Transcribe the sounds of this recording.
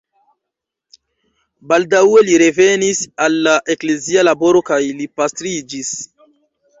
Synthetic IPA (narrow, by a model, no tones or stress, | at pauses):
baldawe̞liɾe̞ve̞nisalːaʔe̞kle̞zialabo̞ɾo̞kajlipastɾid͡ʒis